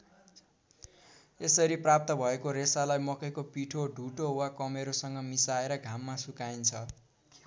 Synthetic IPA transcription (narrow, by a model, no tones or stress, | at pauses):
esʌɾiprap̚t̪ʌbʱʌekoɾesalajmʌkʌjkopiʈʰoɖʱuʈowakʌmeɾosʌŋɡʌmisaeɾʌɡʱamːasukaint͡sʰʌ